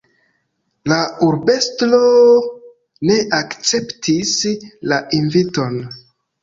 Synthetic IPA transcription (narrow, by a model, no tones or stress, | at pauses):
lauɾbe̞stlo | ne̞ʔakt͡se̞ptʰislaʔinvito̞n